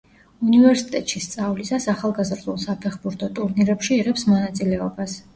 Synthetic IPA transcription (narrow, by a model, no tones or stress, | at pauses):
univɛɾsit̪ʼɛt̪ʼʃist̪sʼavlisasaχalˠɡazɾd̪ulˠsapʰɛχbuɾt̪ʰɔt̪ʼuɾniɾɛpʃiːʁɛpsmɔnat̪sʼilɛɔbas